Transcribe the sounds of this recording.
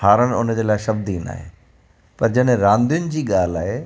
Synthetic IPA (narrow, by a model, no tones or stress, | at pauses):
haːɾənɪ̆ʊnəd͡ʑeːlaːɪʃɐb̚d̪iːna̰ːɦḛː | pɐɾd͡ʑɐɗɾãːnd̪ijʊnɪ̆d͡ʑiːɠaːlaːɦe